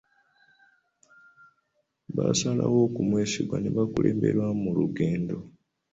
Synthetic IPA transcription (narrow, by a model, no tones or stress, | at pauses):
βasalawo̞ːkumwe̞ːsiɡwaneβakuleːmbe̞̰ɾwamuluɡeːndo̞